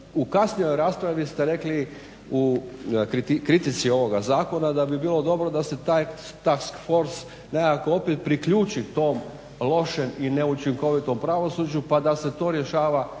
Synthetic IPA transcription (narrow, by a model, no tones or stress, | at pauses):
ukasnijo̞jɾaːspɾaʋist̪e̞ɾe̞kli | ukit̪ikɾit̪it̪sio̞ʋo̞ɡazaːko̞nad̪abibiːlˠo̞d̪o̞bɾo̞d̪ase̞t̪aj | t̪askfo̞ɾs | nekakoo̞pet̪̚pɾikʎuːt͡ʃit̪o̞ːm | lˠo̞ʃemineut͡ʃiŋko̞ʋit̪o̞mpɾaʋo̞suːd͡ʒupad̪ase̞t̪o̞ːɾje̞ʃaːʋa